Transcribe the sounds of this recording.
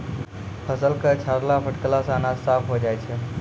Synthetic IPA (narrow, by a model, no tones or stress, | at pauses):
pʰəsəlkət͡ʃʰaːɾlapʰəʈkəlasãːnaːsaːfɦod͡ʒaːet͡ʃʰeː